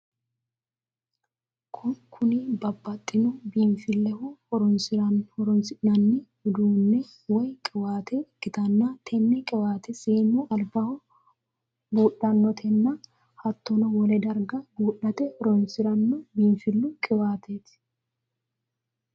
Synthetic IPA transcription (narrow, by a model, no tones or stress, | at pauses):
kʰʊkʰʊnibɐbːɐt̪ʼːɪnʊbiːnfɪlːɛhʊhɔɾɔnsɪɾɐnɔɾɔnsɪnɐnːɛhʊd̪uːnːɛ | wɔjkʼɪwaːt̪ʰɛɪkːɪt̪ɐnːat̪ʰɛnːɛkʼɪwaːt̪ɛsiːnːuʔɐlbɐhɔ | buːɗːɐnːɔt̪ʰɛnːɐ | hɐt̪ːɔnɔwɔlɛd̪ɐɾɡɐbuːɗɐt̪ɛhɔɾɔnsɪɾɐnːɔbiːnfɪlːʊkʼɪwaːt̪ʰet̪ɪ̥